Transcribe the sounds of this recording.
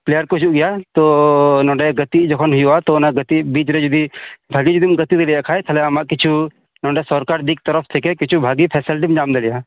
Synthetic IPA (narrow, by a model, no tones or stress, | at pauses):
pleːjəɾkot͡ʃuʔɡijat̪onɔ̃ɳɖɛɡɐt̪id͡ʒəkʰɔnɦʊjuat̪onaɡɐt̪ibiːt͡ʃɾed͡ʒud̪ibʱaːɡid͡ʒud̪imɡɐt̪id̪elijakʰaːɛt̪ʰɐleamaʔkɪt͡ʃʰu | nɔ̃ɳɖɛsɔɾkaɾd̪ik̚t̪əɾəpʰt̪ʰekekɪt͡ʃʰubʱaːɡipʰɛːsəlʈ̬imd͡ʒaːmd̪elija